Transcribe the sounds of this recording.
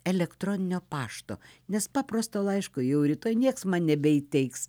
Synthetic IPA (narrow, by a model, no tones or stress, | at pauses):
ɛlʲɛkt̪roːnʲɪnʲoːpɑːʃt̪o̰ːnʲɛspɑːprost̪oːlˠɐɪʃkʊjɛʊɾʲɪt̪oːjnʲiɛksmɐnnʲɛbʲɛiːt̪ʲɛɪks